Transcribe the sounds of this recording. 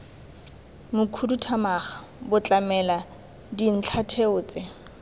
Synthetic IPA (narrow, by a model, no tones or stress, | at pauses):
mʊkʰudutʰamaχḁ | bʊt͡ɬʼamɛla | din̩t͡ɬʰatʰeʊːt͡sʼɪ